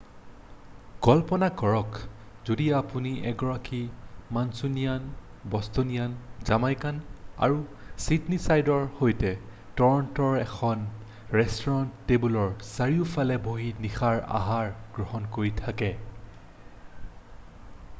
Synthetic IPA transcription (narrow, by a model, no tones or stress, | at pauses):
ɡ̥ɔlpɔnakɔɹɔk | zodiapuniɛɡɔɹakimansunijan | bɔstonijanzamajkana̰ɹu | sitnisajdɔɹhojtɛ | tɔɹɔntɔɹɛkʰɔn | ɹɛstɔɹɔntːebulɔɹsaɹiʊfʰalɛboɦinixaɹa̰ɦaɹɡ̥ɹɔɦɔnkoɹitʰakɛ